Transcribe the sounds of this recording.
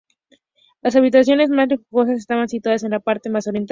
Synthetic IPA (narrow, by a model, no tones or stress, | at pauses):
lasaβ̞it̪asjo̞ne̞zmazlixuɣo̞s̬ase̞st̪aβansit̪waðas̬e̞nlapaɾt̪emaso̞ɾjent̪